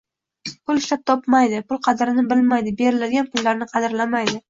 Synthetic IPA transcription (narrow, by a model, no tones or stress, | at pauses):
pʰʊlɪʃlap̚t̪ʰɒpmajd̪ɪpʰʊlˠqʰɑd̪ɪɾɪnɪbɪlmajd̪ɪbe̞ɾɪlad̪ɪɡʲanpʰʊlˠːaɾnɪqʰɑd̪ɪɾlamajd̪ɪ